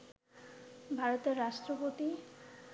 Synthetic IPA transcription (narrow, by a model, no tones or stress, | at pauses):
bʱaɾot̪eɾːaʃʈɾopot̪i